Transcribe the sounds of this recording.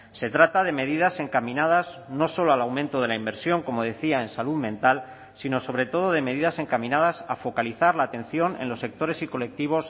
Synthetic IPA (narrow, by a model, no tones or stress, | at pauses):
se̞t̪ɾat̪aðe̞me̞ðiðase̞ŋkamĩnað̞azno̞so̞loalawmẽnt̪oð̞e̞laimbe̞ɾsjo̞ŋko̞mo̞ðe̞θiae̞nsaluðmẽ̞nt̪al | sino̞so̞βɾe̞t̪o̞ð̞o̞ð̞e̞me̞ð̞iðase̞ŋkamĩnað̞asafo̞kaliθaɾlaːt̪ẽ̞nθjo̞nḛnlo̞sːe̞k̚t̪o̞ɾe̞siko̞le̞k̚t̪iβ̞o̞s